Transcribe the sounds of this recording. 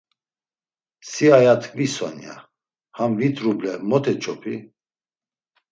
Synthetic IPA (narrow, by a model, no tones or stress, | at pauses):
siajat̪ʰkʼvisɔ̰nja̰ | hamvit̪ʼɾublɛmɔt̪ʰɛt͡ʃʰɔpʰi